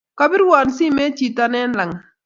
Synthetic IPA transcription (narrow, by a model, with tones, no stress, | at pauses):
ka˦bɪ˦ɾwa˨nsi˦me˦t͡ʃi˨ta˦nɛ˦nla˨ŋ